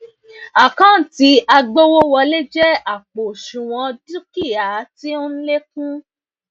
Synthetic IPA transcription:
a˨kã˦˨ti˨˧˦a˧ɡ͡bo˦wo˦wɔ˧le˦d͡ʒɛ˦a˨k͡po˨ʃũ˨w̃ɔ̃˧du˦ki˦˨a˨˦ti˦o˦n̩˦le˦kũ˦

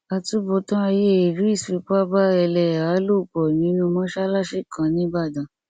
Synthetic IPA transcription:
a˧tu˦bo˧˦tã˦a˧je˦˨i˨ɾu˨˦i˦˨si˨˧˦k͡pa˦ba˦ɛ˧lɛ˧˨a˨˦lo˦˨k͡pɔ˨ĩ˨˦nũ˧mɔ̃˦ʃa˦la˦ʃe˦˨kʰã˧˨nĩ˨˦ba˦˨dã˨

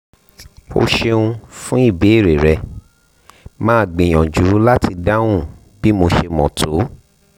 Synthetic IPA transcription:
o̰˧ʃe˧ũ˧fũ˦i˦˨be˨˦˨ɾe˨ɾɛ˧ | mãː˦˨ɡ͡bẽ˨j̃ɔ̃˨d͡ʒu˨ɾu˦la˦tʰi˧da˦w̃ũ˦˨ | b̥i˦mo˧ʃe˧mɔ̃˨tʰo˨˦

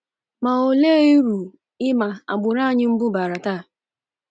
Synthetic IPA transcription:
ma˨o˨le˦i˦ɾu˨ | ɪ˦ma˨a̰˨ɡ͡bʊ˨ɾa˦˨ɲɪ˦m̩˦bʊ˦ba˨ɾa˨taː˦˨

